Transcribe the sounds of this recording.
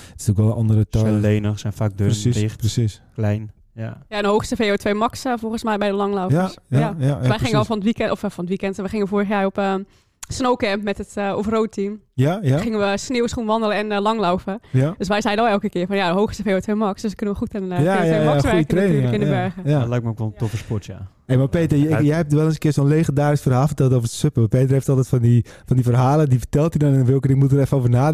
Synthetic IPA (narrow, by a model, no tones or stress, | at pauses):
ɪ̥stukɔlˠəʔɔndəɾətɔɛleːnəxsɛnfaːk̚døɪəsisklɛjn | ajaɛndəɦowxstəfejotʰʋejmɑksəfɔlˠɣənsmɛjbɛjdəlɑŋlɔwfəsjaaʋɛjxɪŋəlˠfɔnətʋikɛtɔffɔnətʋikɛntʋəχɪŋəʋəfoːɾəχjaːɹɔpə | snowkɛmpmɛtətofrowt̚tʰim | jaχɪŋənʋəsnɪːwsχunʋɑndələɛnlɑŋlɔwfəjdøsʋɛjzɛjəɔlɛlˠkəkɪːfɔnjaɦowxɪsəfeːətʋemɑksd̥øsʋəkønənʋəχutənjajejaɔxʋɛjəkərenyləkɪndəbɛɹɣəjalɛjk̚məokʋɔlˠəntɔfəspɔtja̰ | emapeːtəjɛjhɛp̚tʋɛlˠənsəkɪːrsoːnleːχəndaːɾɪsfərɦaːlˠfərtɛlˠtowvərdəsøpəapeːt̬əreftɔlˠtɛjtfɔndi | fɔndifərɦaːlədifə̥tɛlˠtydɔnɛnʋɪlˠkədɪŋmutəɾɛfəoːvənaː